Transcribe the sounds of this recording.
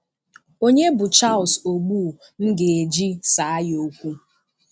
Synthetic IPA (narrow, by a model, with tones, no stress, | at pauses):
o˦ɲe˦bʊ˨t͡ʃa˦˨lso˨ɡ͡bu˦˨ | n̩˦ɡe˨e˨d͡ʒi˦sa˨a˦jo˦kʷu˦